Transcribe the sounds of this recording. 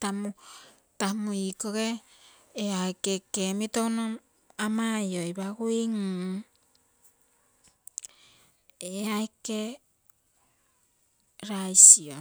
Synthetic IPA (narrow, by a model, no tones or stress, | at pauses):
tamu | tamuikoɡeː | aekekemitownom | amajojβaɡuiŋ | eaeke | ɾajsio